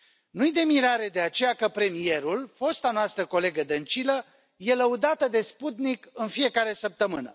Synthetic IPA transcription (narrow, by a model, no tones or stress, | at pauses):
nujd̪e̞miɾaɾe̞d̪e̞at͡ʃe̞jakəpɾe̞mije̞ɾulfo̞st̪anoast̪ɾəko̞le̞ɡəd̪ənt͡ʃilə | je̞ləud̪at̪əd̪e̞sput̪nikɨnfije̞kaɾe̞səp̚t̪əmɨnə̰